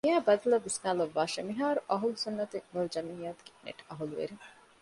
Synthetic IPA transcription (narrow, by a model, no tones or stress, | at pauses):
iæːbɐd̪ɐlɐʋisnaːlɐʋːaːʃɐmiɦaːɾuʔɐɦulusunːɐt̪eʋɐlud͡ʒɐmiːjaːt̪u̥ke̥nḛʈɐɦuluʋḛɾi